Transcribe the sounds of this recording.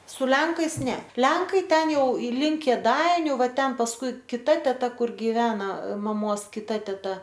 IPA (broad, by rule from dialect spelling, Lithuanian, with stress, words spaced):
sʊ ˈlʲɛŋkɐɪs ˈnʲɛ ˈlʲɛŋkɐɪ ˈtʲɛn ˈjɛʊ ɪ ˈlʲɪŋk kʲeːˈdɐɪnʲʊ ˈʋɐ ˈtʲɛn pɐsˈkʊɪ kʲɪˈtɐ tʲɛˈtɐ ˈkʊr ɡʲɪˈʋʲæːnɐ mɐˈmoːs kʲɪˈtɐ tʲɛˈtɐ